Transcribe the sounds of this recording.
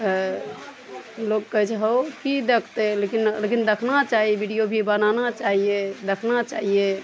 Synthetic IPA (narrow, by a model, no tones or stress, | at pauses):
lokːəɦit͡ʃʰɦowkid̪ekʰt̪elekinlekind̪ekʰnat͡ʃaɦiebʱiɖijobʱibənanat͡ʃaɦijed̪ekʰnat͡ʃaɦie